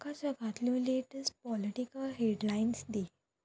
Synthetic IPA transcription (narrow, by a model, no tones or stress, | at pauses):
kat͡ɕəɡʱat̪ljũleʈəsʈ̚pɔliʈikəlɦeɖlainsd̪e